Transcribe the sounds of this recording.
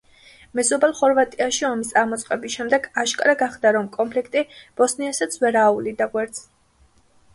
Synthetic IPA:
mɛzɔbɛlˠχɔɾvat̪ʼiaʃiɔmist̪ʼaɾmɔt̪sʼqʼɛbisʃɛmd̪ɛɡaʃkʼɾaɡaχd̪aɾɔmkʼɔmpʰlikʰt̪ʼib̥ɔsniasat̪sʰvɛɾaːulid̪aɡwɛɾt̪sʰ

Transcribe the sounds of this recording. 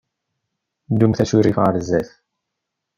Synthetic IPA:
d̪umθæt͡suɾifʁaɾzːæθ

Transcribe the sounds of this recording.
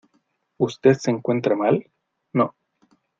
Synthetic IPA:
ust̪eðseːŋkwe̞nt̪ɾamal | no

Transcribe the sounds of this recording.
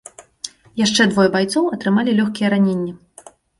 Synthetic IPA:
jaʂt͡ʂɛd̪vɔjɛbajt̪sɔwɐt̪ɾɨmalʲilʲɔxkʲijɛɾanʲenʲːɐ

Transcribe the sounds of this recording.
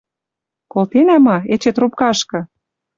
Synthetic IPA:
kolt̪enæmɑet͡ɕet̪rup̚kɑʃkɤ̆

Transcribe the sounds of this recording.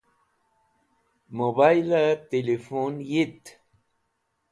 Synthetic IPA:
moβajlat̪elefonjit̪

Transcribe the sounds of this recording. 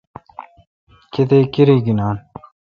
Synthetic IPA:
ket̪eːkiɾiːɡinaːn

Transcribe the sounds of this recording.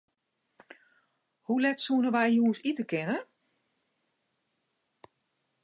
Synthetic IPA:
hulɛtsuənəʋɛjjuənsitəkɪnə

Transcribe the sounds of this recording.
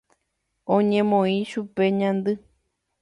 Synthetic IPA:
õɲẽmõĩʃupe̞ɲãnd̪ɨ

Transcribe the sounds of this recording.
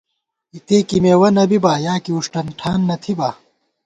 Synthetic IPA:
it̪eːkimeːwɐnɐbibaːjaːkiuʂʈɐnʈʰaːnːɐt̪ʰibaː

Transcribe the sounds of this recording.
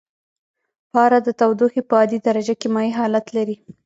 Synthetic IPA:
pɑɾad̪ət̪awd̪uxipəɑd̪id̪aɾad͡ʒakemɑjiɦɑlat̪laɾi

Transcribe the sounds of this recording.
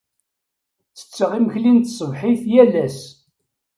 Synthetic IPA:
t͡sːə̥t͡sːəʁiməçlint̪sˤəvħiθjælæs

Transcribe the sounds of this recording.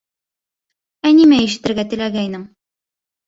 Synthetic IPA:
ænimæjiʃɘ̆t̪ɘ̆ɾɡæt̪ɘ̆læɡæinɘm

